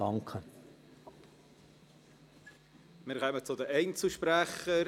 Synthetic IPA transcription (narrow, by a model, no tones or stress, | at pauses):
ɑŋkʰə | mɪːɾkœːmət͡sʊdəʔɛɪnt͡suʃpɾæχə